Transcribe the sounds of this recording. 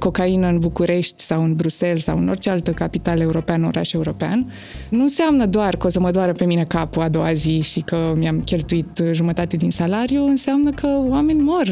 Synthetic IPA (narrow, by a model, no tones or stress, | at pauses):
ko̞kainəɨnbukuɾe̞ʃt̪ʲsawɨnbɾuse̞lsa̰wɨno̞rt͡ʃealt̪əkapit̪ale̞uɾo̞peano̞̰ɾʔa̰ʃe̞uɾo̞pea̰n | nuɨnseamnəd̪oarkəosəməd̪oaɾəpe̞mine̞kapuad̪o̞wa̰ziʃikəmiamkʲe̞lt̪uit̪ʒumət̪at̪e̞d̪insalaɾjuɨnseamnəkʰəoame̞nʲmo̞r